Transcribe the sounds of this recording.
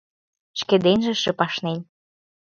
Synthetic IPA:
ʃkĕd̪enʒĕʃĕpɑʃnenʲ

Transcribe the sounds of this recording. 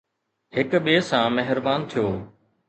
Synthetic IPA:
hɪkɓeːsãːmɛɦɪɾbaːnt̪ʰijoː

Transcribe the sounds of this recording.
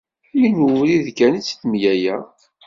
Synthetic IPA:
minuɾiðkænit͡sːθmjæjæ

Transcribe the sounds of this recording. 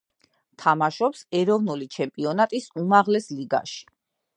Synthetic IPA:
t̪ʰamaʃɔpsɛɾɔvnulit͡ʃʰɛmpʼiɔnat̪ʼisumaʁlɛsliɡa̰ʃi̥

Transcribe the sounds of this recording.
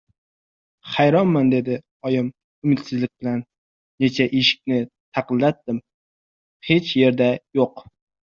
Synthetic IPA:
χajɾɒnmand̪e̞d̪ɪ | ɒjɪm | ʊmɪt̪sɪzlɪk̚ʲbɪlanː | e̞t͡ʃʰaʔeʃɪ̥k̚ʲnɪ | t̪ʰɑqɨnlat̪ːɪm | he̞t͡ʃje̞ɾd̪ajoq

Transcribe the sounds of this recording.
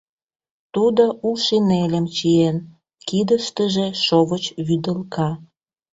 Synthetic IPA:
t̪ud̪oʔulʃinelʲəmt͡ɕien | kid̪əʃt̪əʒeʃoβət͡ɕβyd̪əlkɑ

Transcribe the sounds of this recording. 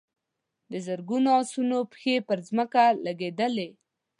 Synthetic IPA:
d̪əzəɾɡunoɑsunopxepəɾzməkalaɡed̪əle

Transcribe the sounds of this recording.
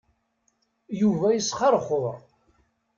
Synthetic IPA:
juvæjəsχɑɾˤχoðˤɾˤ

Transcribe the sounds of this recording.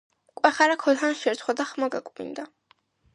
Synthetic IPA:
kʷʼwɛχaɾakʰɔd̪χanʃɛɾt̪ʰχwad̪aχmaɡa̰kʼmḭnd̪a

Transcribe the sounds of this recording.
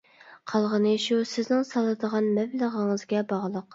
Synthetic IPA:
qʰɑlˠʁənɨʃusɪznɪŋsɑlˠːɨd̪əʁɑnmɛvləʁəŋəzɡʲɛbɑʁlˠəq

